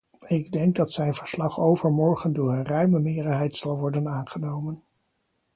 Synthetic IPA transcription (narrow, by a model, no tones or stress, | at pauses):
ɪɡdɛŋk̚dɑtsɛjnvəɹslɑχowvəɹmɔɹχəndʊːɹənrœɥməmɪːɹdəɹɦɛjtsɑlˠʋɔɹdənaːnχənowmən